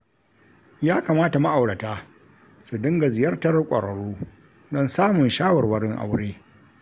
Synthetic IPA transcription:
jaː˦kaː˨maː˦ta˨ma˦ʔa˨wɽɐ˨taː˦ | su˨dɪ˦ŋɡa˨zɪ˨jɐ˦rtɐ˦rkʷʼɐ̰˨ɽɐ˨ɽuː˦ | dɔ˦nsaː˦mʊ˨nʃaː˦wɐ˨rwɐ˦ɽɪ˦ŋʔa̰˨wʊ˦ɽeː˦

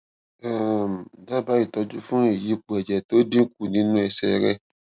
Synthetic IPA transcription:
a˨m˨da˦ba˦i˦˨tɔ˧d͡ʒu˦fũ˦i˨ji˧˦k͡pɛ˨d͡ʒɛ˨to˨˦dĩ˦ku˨nĩ˧˦nũ˦ɛ˧sɛ̰˧˨ɾɛ˦˨

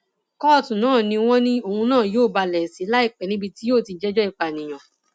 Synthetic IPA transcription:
kɔ˦˨tũ˨nãː˦˨nĩ˧w̃ɔ̃˦nĩ˦o˧˨hũ˧nãː˦˨joː˦˨ba˧lɛ˨si˨˦la˦i˦˨k͡pɛ˨nĩ˦bi˧ti˦oː˦˨ti˧d͡ʒɛ˦d͡ʒɔ˦i˦˨k͡pa˨nĩ˨j̃ã˨

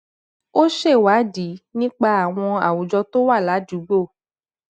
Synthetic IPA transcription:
o˦ʃe˦˨wa˨˦di˨˦nĩ˦k͡pa˧a˨w̃ɔ̃˧a̰˨wu˨d͡ʒɔ˧to˦wa˦˨la˨˦d͡ʒu˨˦ɡ͡bo˦˨

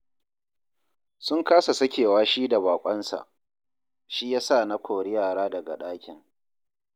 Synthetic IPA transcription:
sʊ˦ŋkaː˦sa˨sɐ˦kʲeː˨waː˦ʃiː˦da˨baː˨kʷʼɐ˦nsa̰˨ʔ | ʃi˦jaː˦sa˦˨na˦kʷʰoː˨ɽɪ˦jaː˨ɾaː˦dɐ˨ɡa̰˨ɗaː˦kʲɪ˨ŋ

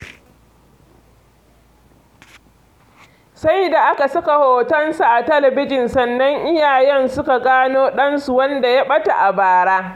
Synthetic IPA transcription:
sa˦jda˨ʔa˦ka˨sʊ˦ka˨hoː˨tɐ˦nsu˨ʔa˨tɐ˦lɐ˨bɪ˦d͡ʒɪ˨nsɐ˨nːɐ˦ŋʔɪ˦jaː˨jɛ˦nsʊ˦ka˨ɡaː˦noː˦ɗɐ˦nsu˨wɐ˦nda˨ja˦ɓɐ˦ta̰˨ʔa˨baː˨ɽaː˦

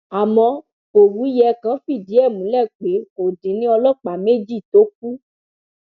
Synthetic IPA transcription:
a˨mɔ̃˧ | o˨ɾu˨˦i˦jɛ˧kã˦fi˦˨di˨˦ɛ˦˨mũ˨˦lɛ˦˨k͡pe˨˦o˨dĩ˨˦nĩ˦ɔ˧lɔ˦k͡pa˨˦me˦d͡ʒi˦˨to˨˦k̚u˦

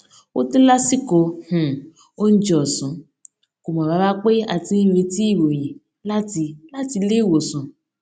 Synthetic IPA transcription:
o̰˦ti˦la˦si˦˨ko˧hũ˨ | o˦n̩˦d͡ʒɔ˨sũ˨˦ | ko˨mɔ̃˨ba˨˧˦ba˦k͡pe˦a̰˨ti˧˦n̩˦ɾe˧ti˦i˦˨wo˨j̃ɛ̃˨ | la˦ti˧la˦ti˧le˦˨wo˨sũ˨˦

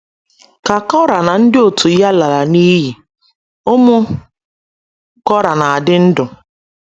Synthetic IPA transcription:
ka˨kɔ˦ɾa˨na˨n̩˦dɪ˦o˨tʰu˨ja˦la˨ɾa˨ni˦ɦi˨ | o˦mʊ˦ | kɔ˦ɾa˨na˨a˨dɪ˦n̩˦dʊ˨

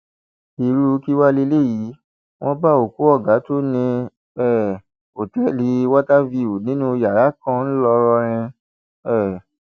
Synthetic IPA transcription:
i˧ɾu˧˦˧ki˦wa˦le˧le˦˨ji˨˦ | w̃ɔ̃˦ba˦o˨ku˨˦ɔ˦˨ɡa˨˦to˦nĩ˧ | ɛ˦˨ | o˨tɛ˨˦li˨˦wa˦ta˦vi˧u˨nĩ˨˦nũ˦˧ja˨ɾa˨˦kã˦n̩˦lɔ˧ɾɔ˧ɾ̃ĩ˧ | ɛ˦˨

